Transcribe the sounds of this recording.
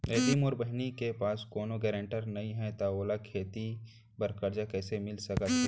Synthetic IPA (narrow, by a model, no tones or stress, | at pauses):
eːd̪imɔːɾbəɦnikepaːskoːnoɡɛːɾẽɳʈəɾnɐɦĩɦɛt̪aoːlakʰeːt̪i | bɐɾkəɾd͡ʒakɛːsemɪlsɐkət̪ɦɛ